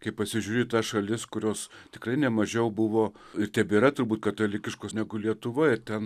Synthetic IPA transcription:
kɐɪpɐsʲɪʒʲuːɾʲeːt̪ɐsʃɐlʲɪskʊɾʲoːst̪ʲɪkrɐɪnʲɛmɐʒʲɛʊbʊʋoː | ɪrt̪ʲɛbʲeːɾɐt̪ʊrbuːt̪̚kɐt̪oːlʲɪkʲɪʃkoːsnʲæɡʊlʲiɛt̪ʊʋoːjɪt̪ʲɛn

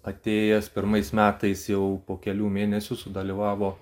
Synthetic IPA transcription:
ɐt̪ʲeːjɛspʲɪɾmɐɪsmʲæːt̪ɐɪsjɛʊpoːkʲɛlʲuːmʲeːnʲɛsʲʊsʊd̪ɐlʲiʋɑːʋoː

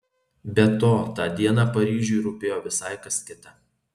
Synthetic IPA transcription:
bʲɛt̪oːt̪ɑːd̪ʲiɛnɑpɐɾʲiːʒʲʊɪɾʊpʲeːjoːʋʲɪsɑɪkɐsʲt̪ʲɪt̪ʲɛ

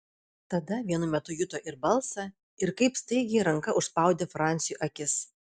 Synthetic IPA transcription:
t̪ɐd̪ɐʋʲiɛnʊmʲɛt̪ʊjʊt̪oːʔɪɾbɐlˠsɐ | ɪɾkɐɪpst̪ɐɪɡʲɛɪɾɐŋkɐʔʊʃspɑˑʊd̪ʲeːfɾɑˑnʲt̪sʲɪjuːʔɐkʲɪs

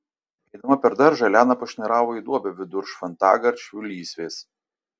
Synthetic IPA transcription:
ɛɪd̪ɐmɐpʲɛɾd̪ɐɾʒɐlʲæːnɐpɐʃʲnʲɛɾɑːʋoːid̪uɔbʲɛʋʲɪd̪ʊɾʃfɐnt̪ɑːɡɐɾʲt͡ʃʲulʲiːsʲʋʲeːs

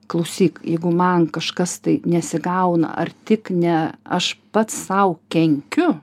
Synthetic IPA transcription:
klˠɐʊsʲiːkjɛɪɡʊmɐnkɐʃkɐst̪ɐɪnʲɛsʲɪɡɐʊnɐ̰ʔɐ̰rt̪ʲɪknʲɛɐʃpɐt̪ssɐʊkʲɛŋʲkʲʊ

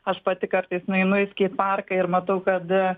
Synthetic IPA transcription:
ɐʃpɐt̪ʲɪkɐɾt̪ɐɪsnʊɛɪnʊʋɪsʲkʲiːpɑrkɐɪɾmɐt̪ɐʊkɐt̪

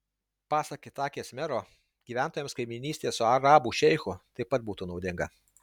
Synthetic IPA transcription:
pɑːsɐkʲɪt̪ɑːkʲeːsʲmʲɛɾoː | ɡʲiːʋʲæˑnt̪oːjɛ̃mskɐɪmʲɪnʲiːsʲt̪ʲeːssʊɐɾɑːbuːʃʲɛɪxʊt̪ɐɪpːɐt̪̚buːt̪uːnɒʊd̪ʲɪŋɡɐ

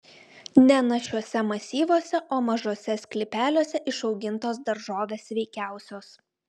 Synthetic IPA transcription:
nʲɛnɐʃʲuɔsʲɛmɐsʲiːʋoːsʲɛʔoːmɐʒoːsʲɛsʲkʲlʲɪpʲæːlʲoːsʲɛʔɪʃɒʊɡʲɪnt̪oːsd̪ɐɾʒoːʋʲeːsʋʲɛɪkʲæˑʊsʲoːs

